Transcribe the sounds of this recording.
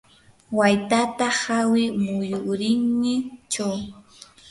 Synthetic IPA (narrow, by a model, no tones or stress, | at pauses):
wajt̪at̪ahawɪmʊjʊɾɪŋnɪt͡ʃaw